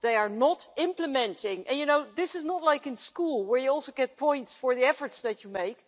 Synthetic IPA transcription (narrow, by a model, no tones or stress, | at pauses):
ðeɪəɹnətɪ̃mpləmɛ̃ntɪ̃ŋʔɨ̰̃njɨnoʊðɪsɪznətˡlaɪkɪ̃nskulˠwəɹjɨɔlˠsoʊɡɛt̚pʰɔ̃ɪ̃ntsfəɹðiɛfə˞tsðæt͡ʃumeɪk